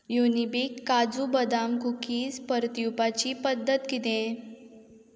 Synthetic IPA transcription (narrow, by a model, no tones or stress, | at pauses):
junibikːad͡zubəd̪amkukiːspəɾt̪jupat͡ɕiːpəd̪ːət̪ɡit̪ẽ